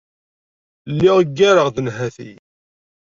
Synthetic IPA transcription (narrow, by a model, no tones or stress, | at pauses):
lːɪʁəɡːæɾəʁðənɦæθḭ